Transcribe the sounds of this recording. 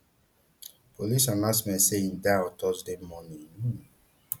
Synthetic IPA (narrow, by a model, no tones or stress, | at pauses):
polisãnasmɛ̃seĩndaɔtɔsdemɔnĩnu